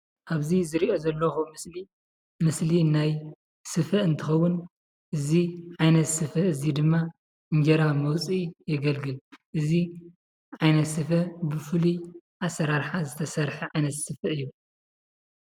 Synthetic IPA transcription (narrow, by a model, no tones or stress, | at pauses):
ʔaβzizɨɾiʔo̞zɐlːɐxumɨsli | mɨslinaj | sɨfɐɨnt̪ʰɨxɐwːʊn | ʔɨziʕajnɐt̪sɨfɐɨzid̪ɨmːa | ʔɨɲd͡ʒɐɾamɐwt͡sʼijɪɡɐlɡɨlʔɨzi | ʕajnɐt̪sɨfɐbɨfɨliʔasɐɾaɾħazɨt̪ʰɐsɐɾħɨʕajnɐt̪sɨfɐʔɨjːu